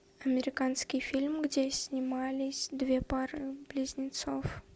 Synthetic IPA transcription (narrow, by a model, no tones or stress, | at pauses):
ɐmʲɪɾʲɪkanskʲɪjfʲilʲmɡdʲesʲnʲɪmalʲɪsʲd̪vʲepaɾɨblʲɪzʲnʲɪt̪sof